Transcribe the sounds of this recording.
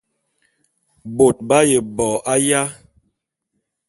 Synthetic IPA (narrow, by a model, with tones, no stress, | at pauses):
bo˨t̚ba˦je˨bɔ˨ʔa˦ja˦